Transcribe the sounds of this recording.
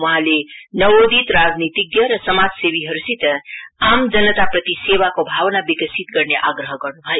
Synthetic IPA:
wʌɦãlenʌwod̪it̪ɾad͡znit̪iɡjəɾʌsəmad͡zsebiɦʌɾusit̪əamd͡ʒənːət̪apɾət̪isewakobʱawnabikəsit̪ɡʌɾneʔaɡɾəɦʌɡʌɾnubʱaj

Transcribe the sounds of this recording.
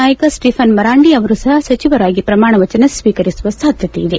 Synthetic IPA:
aːjɐkɐsʈipʰɐnmɐɾaːɳɖiɐʋɐɾusɐɦɐsɐt͡ʃiʋɐɾaːɡipɾɐmaːɳɐʋɐt͡ʃɐnɐsʋiːkɐɾisuʋɐsaːd̪ʱjɐt̪eid̪e̞

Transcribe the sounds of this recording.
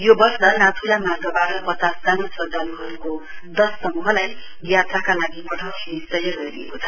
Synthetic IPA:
jobʌsʌnat̪ʰuɾamarɡʌbaɾʌpʌt͡sasd͡zanosʌd̪ʌluɦʌɾukod̪ʌsːʌmuɦʌlaj | ɡjat̪akalaɡipʌʈʰʌwtʰinisʌjʌɡʌɾiḛkot͡sʰʌ̥

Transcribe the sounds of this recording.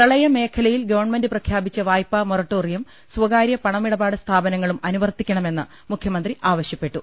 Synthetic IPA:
ɐɭɐjɐme̞ːkʰɐlɐjilɡɐʋɐrɳme̞ndɨprɐkʰjaːbit͡ɕːɐʋaːjpːɐmorɐʈːoːrijɐm | swɐɡaːɾjɐpɐɳɐmiɽɐbaːɽɨst̪ʰaːbɐnɐŋːɐɭumɐnuʋɐrt̪ikʲːɐɳɐme̞nːɨ̰ | mukʰjɐmɐnd̪riʔaːʋɐɕjɐpːe̞ʈːu

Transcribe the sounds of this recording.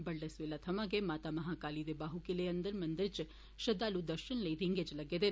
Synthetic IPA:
bɐɭɖɐsʋelat̪ʰɐmaːɡemaːt̪amɐɦaːkaːlid̪ebaːɦukileɐnd̪ɐɾmɐnd̪ɐɾt͡ʃ | ʃɐd̪aːlud̪ɐɾʃɐnlɐjɾiŋɡed͡ʒlɐɡed̪e

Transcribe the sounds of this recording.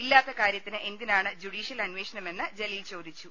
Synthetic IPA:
ilːaːt̪ːɐkaːɾjɐt̪ːinɨʔe̞nd̪inaːɳɨd͡ʑuɽiːʂjɐlɐnʋeːʂɐnɐme̞nːɨd͡ʑe̞lɐjilt͡ɕo̞ːd̪it͡ɕːu

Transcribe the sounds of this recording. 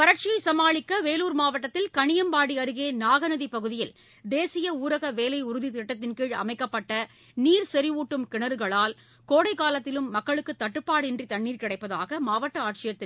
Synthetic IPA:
pɐɾɐʈ̚t͡ʃɪjɐɪsɐmaːɭɪkːɐʋeːluːɾmaːʋɐʈːɐt̪ːɪlkɐɳɪjɐmpaːɽiɐɾɯɣeːnaːɣɐnɐðipɐɣɯðɪjɪl | d̪eːsɪjɐuːɾɐɣɐʋeːlɐɪʊɾɯðit̪ɪʈːɐt̪ːɪnkiɻɐ̰mɐɪkːɐpːɐʈːɐ | niːɾsɛɾɪʋuːʈːɯmkɪɳɐɾɯɣɐɭaːl | koːɽɐɪkaːlɐt̪ːɪlɯmːɐkːɐɭɯkːɯt̪ːɐʈːɯpːaːɽɛndrit̪ɐɳːiːɾkɪɽɐɪpːɐða̰ːɣɐmaːʋɐʈːɐaːʈ̚t͡ʃɪjɐt̪ːɪl

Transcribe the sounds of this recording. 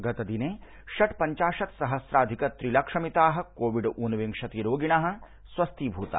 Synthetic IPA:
ɡɐt̪ɐd̪ineː | ʃɐʈpɐɲt͡ʃaːʃɐt̪sɐɦɐsɾaːd̪ʱikɐt̪ɾilɐkʂɐmit̪aːɦɐ̆koːʋiɖʔunʋiŋkʂɐt̪iɾoːɡiɳaːɦɐ̆ | sʋɐst̪ʰiːbʱuːt̪a̰ː

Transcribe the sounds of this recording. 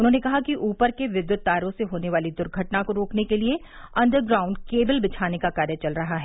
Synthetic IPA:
ʊnɦõːnekɐɦakiʔuːpəɾkeʋɪd̪jʊt̪̚d̪aːɾõseɦoːneʋaːlid̪ʊɾɡʱɐʈnakoɾoːknekelie | ɐ̃nɖəɾɡɾãːʊ̃ɳɖkeːbəlbɪt͡ʃʰaːnekakaːɾjət͡ʃɐlɾɐɦaɦɛː

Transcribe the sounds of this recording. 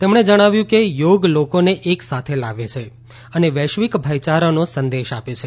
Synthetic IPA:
t̪emɳ̃ed͡ʒəɽ̃aʋjũkejoɡlokoneʔeksat̪ʰelaʋet͡ʃʰe | əneʋɛʃʋikbʱəjt͡ʃaɾənosənd̪eʃapet͡ʃʰe

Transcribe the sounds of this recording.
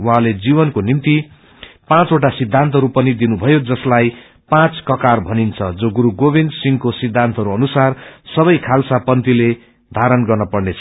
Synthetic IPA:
wɦãled͡zibʌnkonimt̪i | pãt͡soʈ̬asid̪ʱːant̪ʌɦʌɾupʌnid̪inubʱʌjod͡zʌslaj | pãt͡skʌkarbʱʌnint͡sʰʌd͡zoɡuɾuɡobind̪siŋkosid̪ʱːant̪ʌɾuʌnusarsʌbʌjkʰalsapʌnt̪ile | d̪ʱaɾʌnɡʌrnʌpʌrnet͡sʰʌ

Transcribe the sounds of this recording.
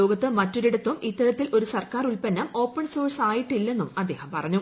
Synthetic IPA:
o̞ːɡɐt̪ːɨmɐtːoɾiɽut̪ːumʔit̪ːɐɾɐt̪ːilʔo̞ɾusɐrkaːruɭpɐnːɐmo̞ːpːɐɳso̞ːrsaːjiʈːilːe̞nːumɐd̪ːe̞ːhɐmpɐrɐɲːu

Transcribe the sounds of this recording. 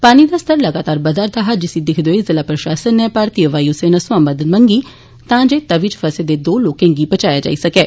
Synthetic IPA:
paːniːd̪aːst̪əɾləɡaːt̪aːɾbəd̪aɾd̪aːɦad͡ʒɪsĩːd̪ɪkʰd̪oezɪlaːpɾəʃaːsənɛ̃ːpaːɾt̪iːəʋaːiʊseːnasʊãːmbəd̪ənməŋɡiː | t̪ãːd͡ʒeːt̪əʋɪt͡ʃfʰəseːd̪eːd̪oːloːkẽːŋɡiːbət͡ʃaːjaːd͡ʒa̰ːiːsəkɛː

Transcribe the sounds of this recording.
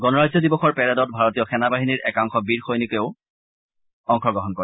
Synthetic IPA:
ɡɔnɔɹazɔdibɔxɔɹpɛɹɛdɔt̚bʱaɹotijɔxɛnabaɦiniɹʔɛkaŋxɔbiɹxojnikeʊ | ɔŋxɔɡɔɦɔnkɔɹɛ

